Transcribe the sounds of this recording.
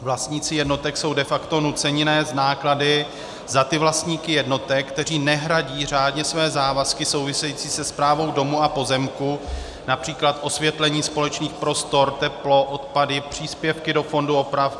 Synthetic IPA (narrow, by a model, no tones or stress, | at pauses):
vlast̪ɲiːt͡sɪjɛdnot̪ɛkso̞wdɛfakt̪o̞nut͡sɛɲɪnɛːznaːkladɪ | zat̪ɪvlast̪ɲiːkɪjɛdno̞t̪ɛkkːt̪ɛriːnɛɦɾaɟiːr̝aːdɲɛsvɛːzaːvaskɪso̞wvɪsɛjiːt͡siːsɛspɾaːvo̞wdo̞muapo̞zɛmku | napr̝̥iːklat̪ʔo̞svjɛt̪lɛɲiːspo̞lɛt͡ʃniːxpɾo̞st̪o̞ɾt̪ɛplo̞ʔot̪padɪpr̝̥iːspjɛfkɪdofo̞nduo̞pɾaf